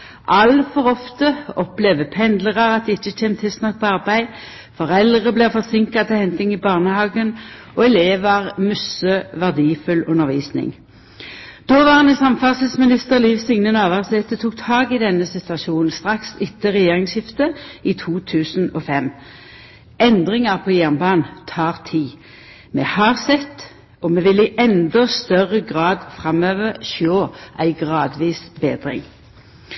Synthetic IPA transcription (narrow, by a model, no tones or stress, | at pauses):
ʔɑlfɔʁɔft̪əɔplɛʋəpʰɛnd̪ləʁɑʁɑt̪̚d̪ɛːɪt͡ʃːət͡ʃʰɛːmt̪ʰɪlst̪nɑk̚pʰɔɑʁbæɪ | fɔʁɛlʁəblɛːʁfɔʁsɪŋkɑt̪ʰɛhɛnt̪ɪŋibɑːʁnəhɑːɡən | ɔɛleːʋɑʁmœsəʋæʁd̪iːfʉlʉnəʁʋiːsnɪ̰ŋ | d̪̥oːʋɑʁɑnəsɑmfɑʁsɪsmɪnɪst̪əʁliːʋsɪŋnənɑːʋɑʁsɛːt̪ət̪ʰuːk̚t̪ʰɑːɡɪd̪ɛnːəsɪt̪ʉɑʃuːnn̩st̪ʁɑksɪt̪ːəʁɛjeːʁɪŋshɪft̪əiːt̪ʰuːt̪ʰʉːsn̩ɔfɛm | ɛnd̪ʁɪŋɑʁpʰɔːjæʁnbɑːnt̪ʰɑːʁt̪ʰiː | mɛːhɑːʁsɛt̪ː | ɔmeːʋɪlɪʔɛnd̪ɔst̪œʁəɡʁɑːd̪fʁɑmøːʋəʁʃoːʔæɪɡʁɑːd̪ʋiːsbeːd̪ʁɪ̰ŋ